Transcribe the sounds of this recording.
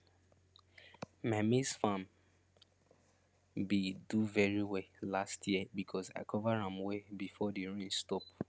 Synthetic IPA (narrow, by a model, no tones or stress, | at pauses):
mamisfãm | biduvɛɹiwɛlastʰjiəbikʰɔza̰ɪkʰɔvaɹãmwebifɔdiɹĩnstɔp